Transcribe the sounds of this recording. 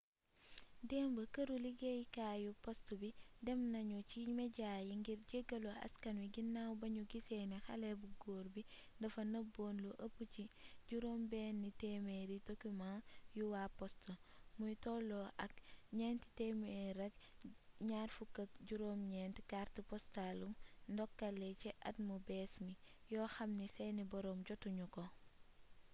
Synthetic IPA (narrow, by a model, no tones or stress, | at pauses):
dɛmbəkɐɾuliɡejkajupɔstubidɛmnɐɲut͡ʃimeɟajiŋɡiɾɟeɡɐloɐ̰skɐnwiɡinːawbɐɲuɡisɛnexɐlɛbuɡoːɾbi | dɐfɐnɐboːnluʔɐpːuciɟuɾombɛːnːitemeɾitokimajuwaːpɔstɐmujtɔlɔʔɐk̚ɲɛːnti̥tɛmeɛɾɐk̚ɲaːɾfukːɐk̚ɟuɾoːmɲɛːntikaɾtipɔstalumndɔkːɐlɛcɛʔɐ̰t̚mubɛːsmi | jɔːxɐmnisɛnibɔɾɔːmɟɔtːuɲukɔ